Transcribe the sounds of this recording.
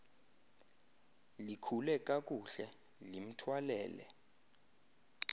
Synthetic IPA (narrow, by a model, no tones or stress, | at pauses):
likʰulɛk̬ʼak̬ʼuɬɛ | lim̩tʰwalɛːlɛ̰